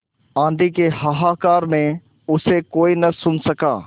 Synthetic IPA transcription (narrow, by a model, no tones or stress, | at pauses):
ãːnd̪ʱikehɐɦaːkaːɾmẽ | ʊsekoːinɐsʊnsɐkaː